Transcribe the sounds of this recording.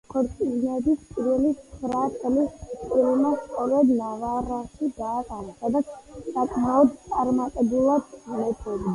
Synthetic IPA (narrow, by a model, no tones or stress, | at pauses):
kʰɔɾt̪sʼinɛbispʼiɾvɛlit̪ssʰɾat̪sʼɛliskʼiɾlmast̪ʼɔɾɛb̪navaɾaʃid̪aːqʼaɾasad̪at̪sʰsakʰʼmaɔd̪t̪sʼaɾmat̪ʼɛbulˠad̪mɛt̪ʰɔd̪i